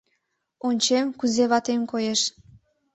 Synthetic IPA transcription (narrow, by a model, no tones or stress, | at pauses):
onʲt͡ɕemkuzeβɑt̪emkojeʃ